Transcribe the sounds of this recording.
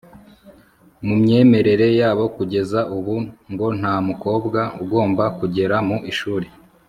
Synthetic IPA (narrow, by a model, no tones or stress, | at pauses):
mumɲe̞ːme̞ɾe̞ɾe̞jaːβo̞kuɟe̞zauβuŋɡo̞n̥haːmuko̞ːbɡauɡo̞ːmbakuɟe̞ɾamuʔiʃuːɾe